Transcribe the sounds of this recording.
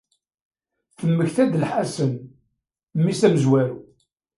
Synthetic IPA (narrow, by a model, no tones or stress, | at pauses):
θəmːəçθæd̪əlħasən | mːisæməzwæɾu